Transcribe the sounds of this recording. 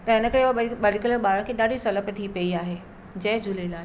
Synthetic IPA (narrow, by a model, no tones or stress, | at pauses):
t̪ɐɪnəkəɾeuaɓɐlɪkələɓaːɾə̃kʰeːɗaːɖisoləpt̪ʰipɐiaːɦeː | d͡ʑɐːd͡ʑulelaː